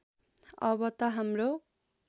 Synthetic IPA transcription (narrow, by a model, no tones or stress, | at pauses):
ʌbʌt̪ʌɦamro